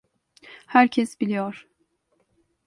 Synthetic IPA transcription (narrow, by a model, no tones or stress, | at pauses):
hæɾcʰɛsbilʲijoɾ̥